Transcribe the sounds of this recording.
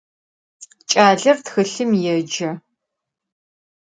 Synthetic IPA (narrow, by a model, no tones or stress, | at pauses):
t͡ʃʼaːɮɐrtxɨɬɨmjɛd͡ʒɐ